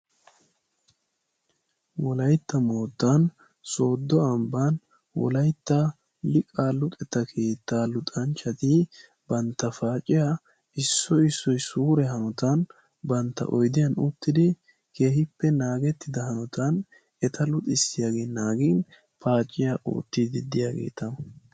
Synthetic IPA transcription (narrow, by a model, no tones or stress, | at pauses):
wɔlɐjt̪ːɐmo̞ːt̪ːan | so̞ːd̪ːɔɐmbaːn | wɔ̰lɐjt̪ːɐ | lɪkʼaːlːʊk̪ʼɛt̪ːɐkʰeːt̪ːaːlʊt̪ʼɐnt͡ʃːɐt̪i | bɐnt̪ːɐfaːt͡ʃʼːɪja | ɪsːɔɪsːɔjsuːɾɛɦɐnɔt̪ɐn | bɐnt̪ːɐ̰ʔɔjd̪ɪjɐnʊt̪ːɪd̪ɪ | kʰe̞ːhɪpːɛnaːɡɛt̪ːɪd̪ɐhɐnɔt̪ʰɐn | ɛt̪ʰɐlʊt̪ʼɪsːɪjaːɡeːnaːɡiːn | pʰaːt͡ʃʼːɪjaːʔo̰ːt̪ːɪd̪ɪd̪ɪjaːɡe̞̰ːt̪ɐ